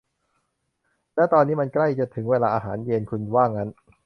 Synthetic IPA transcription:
lɛ˦˥t̪ɔː˧nːiː˦˥ma˧nkla˥˩jt͡ɕa˧˩t̪ʰɯ˩˦ŋweː˧laː˧ʔaː˧ɦaː˩˦nje˧nkʰu˧nwaː˥˩ŋa˦˥n

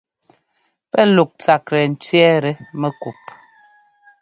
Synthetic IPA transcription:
pɛ˦lu˨k̚t͡sa˨kɾɛ˨n̩˨t͡sɥjɛ˦ɾɛ˨mɛ˦ku˨p̚

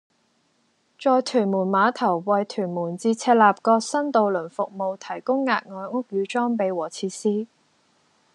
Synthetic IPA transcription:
t͡sɔː˨˧jt̪ʰyː˨˩nmuː˨˩nmaː˨˥t̪ʰɐ˨˩wːɐ˨jt̪ʰyː˨˩nmuː˨˩nt͡siː˧t͡sʰɛː˧t̚laː˨p̚kɔː˧k̚sɐ˥nt̪o˨˧wlɵ˨˩nfʊ˨k̚mo˨wt̪ʰɐ˨˩jkʊ˥ŋːaː˧t̚ŋɔː˧jŋʊ˥k̚jyː˨˧t͡sɔː˥ŋpe˨˧jwɔː˨˩t͡sʰiː˧t̚siː˥

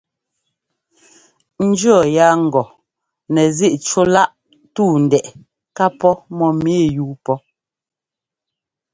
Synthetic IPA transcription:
n̩˦d͡ʒɰɔ˦˨ja˦ŋ̩˨ɡɔ˨ | nɛ˨zi˦ʔt͡ʃo˦la˦ʔ | tuː˦˨n̩˨dɛ˨ʔ | ka˦pɔ˦mɔ˦˨mi˦e˦˨ju˦pɔ˦

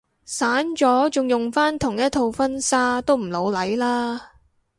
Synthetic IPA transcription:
saː˨˥nt͡sɔː˨˥t͡sʊ˨ŋjʊ˨ŋfaː˥nt̪ʰʊ˨˩ŋjɐ˥t̪ʰo˧wfɐ˥nsaː˥t̪o˥wm̩˨˩lo˨˧wlɐ˨˥jlaː˥

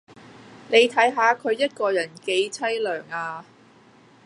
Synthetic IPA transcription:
ne˨˧jt̪ʰɐ˨˥jɦaː˨˧kʰɵ˨˧ɥjɐ˥t̚kɔː˧jɐ˨˩nke˨˧jt͡sʰɐ˥jlœː˨˩ŋaː˧

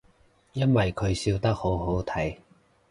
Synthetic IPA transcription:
jɐ˥nwɐ˨jkʰɵ˨˧ɥsiː˧wt̪ɐ˥k̚ho˨˥wɦo˨˥wt̪ʰɐ˨˥j

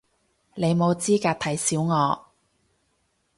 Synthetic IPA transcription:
ne˨˧jmo˨˧wt͡siː˥kaː˧k̚t̪ʰɐ˨˩jsiː˨˥wŋɔː˨˧

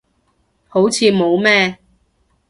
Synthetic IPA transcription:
ho˨˥wt͡sʰiː˨˧mo˨˧wmɛː˥˧

